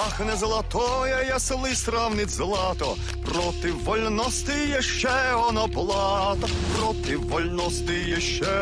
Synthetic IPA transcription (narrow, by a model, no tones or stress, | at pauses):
axnɛzɐlˠɐt̪ɔjɛjɐselˠɪjsɾawnɪt͡sʲzɐlˠɑt̪ɔ | pɾɔt̪ɪwːɔlʲnɔst̪ɪjɛʃt͡ʃɛɔnɔblˠɑt̪ɔpɾɔt̪ɪwːɔlʲnɔst̪ɪjɛʃt͡ʃɛ